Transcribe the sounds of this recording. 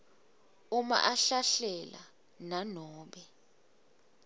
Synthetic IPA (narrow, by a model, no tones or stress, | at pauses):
uma̰ʔaɬaɬɛla̰ | nanɔːɓɛ